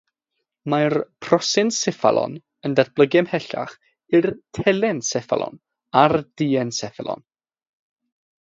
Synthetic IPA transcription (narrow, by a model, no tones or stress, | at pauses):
marpʰrɔsɪnsɛfa̰lˠɔ̰n | əndarb̥lˠəɡɛmhɛɬa̰χ | ɪrtʰɛlɛnsɛfa̰lˠɔ̰n | ard̥iːɛnsɛfɛlˠɔ̰n